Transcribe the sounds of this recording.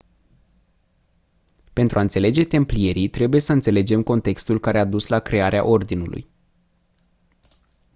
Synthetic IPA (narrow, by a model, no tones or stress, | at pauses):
pe̞nt̪ɾuaɨnt̪se̞le̞d͡ʒe̞t̪e̞mplije̞ɾit̪ɾe̞buje̞səɨnt̪se̞le̞d͡ʒe̞mko̞nt̪e̞kst̪ulkaɾe̞ad̪uslakɾe̞aɾea̰ʔo̞rd̪inulṵj